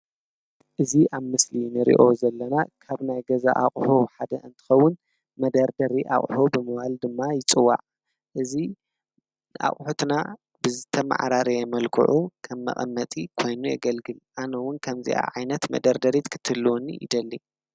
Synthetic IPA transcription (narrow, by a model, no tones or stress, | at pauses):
ʔɨziʔaβmɨslinɨɾḭʔo̞zɐlːɐnakʰaβnajɡɐza̰ʔaχʼħuħad̪ɐ̰ɨnt̪ʰɨ̥xɐwːʊn | mɐd̪ɐɾd̪ɐɾiʔa̰χʼħubɨmɨwald̪ɨmːajɪt͡sʼɨwːa̰ʕ | ʔɨzi | ʔa̰χʼħut̪na | bɨzɨt̪ʰɐma̰ʕɾaɾɐjɛmɐlkʰɨ̰ʕukʰɐmːɐ̰χʼɐ̰mːɐt̪ʼikʰo̞jnujaɡɐlɡɨlʔanɐwʊnkʰɐmzḭʔa̰ʕajnɐt̪mɐ̰d̪ɐɾd̪ɐɾit̪kʰɨ̥t̪ʰːɨlːwonːḭʔḭd̪ɐlːi